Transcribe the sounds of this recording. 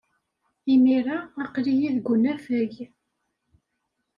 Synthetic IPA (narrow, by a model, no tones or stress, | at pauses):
imiɾaæqlijiðɡʷʊnːæfæʝ